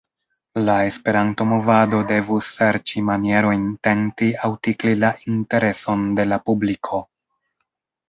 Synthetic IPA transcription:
lae̞spe̞ɾanto̞mo̞vado̞de̞vusːe̞ɾt͡ʃimanije̞ɾo̞jnte̞ntiawtiklilaʔinte̞ɾe̞so̞nde̞lapublikʰo̞

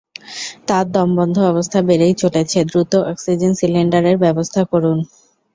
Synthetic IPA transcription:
t̪aɾd̪ɔmbɔnd̪ʱoɔbost̪ʰabeɾejt͡ɕoʈet͡ɕʰed̪ɾut̪oʔɛksid͡ʑensileɳɖaɾeɾbɛbost̪ʰakoɾun

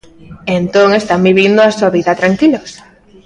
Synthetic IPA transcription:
ent̪oŋest̪ambiβind̪ʊasuaβiðɐt̪ɾaŋkilos

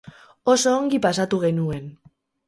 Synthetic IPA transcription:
o̞so̞ːŋɡipasat̪uɣe̞nue̞n

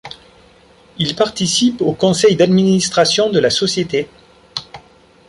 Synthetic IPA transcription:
ilpaʁt̪isipokɔ̃sɛjd̪ad̪minist̪χasjɔ̃d̪əlasɔsjet̪e

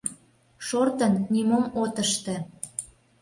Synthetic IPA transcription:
ʃort̪ənnimomot̪əʃt̪ĕ

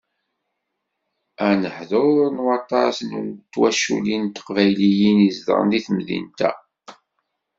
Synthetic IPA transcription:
ænəħðonwɑt̪ˤːɑsnut̪ːwæʃṵlint̪ːqvæjlijinizd̪ə̰ɾˤə̰nd̪iθmðḭnt̪æ̰

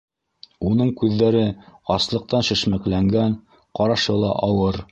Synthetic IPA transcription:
unɤɴkʉðːæɾɘɑslˠɤ̆q̚t̪ɑnʃɘ̆ʃmæklæŋɡæn | qɑɾɑʃɤlˠɑ̰ʔɑwɤɾ

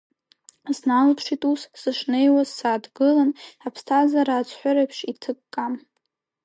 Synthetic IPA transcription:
znalpʰʂitʼussɨʂnejwazsaːdɡɨlanapʰstʰazaɾaːt͡sʷʰʼħʷᶣaɾapʰʂitʰɨkːʼam

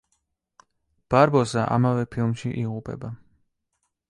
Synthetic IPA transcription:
b̥aɾbɔzaʔa̰mavɛpʰilˠmʃiʔiʁupʼɛ̰ba

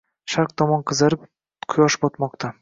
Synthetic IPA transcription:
ʃaɾq̚d̪ɒmɒnqʰɨzaɾɪp | qʰʊjɒʃɪ̥pɒt̪mɒqt̪ʰa

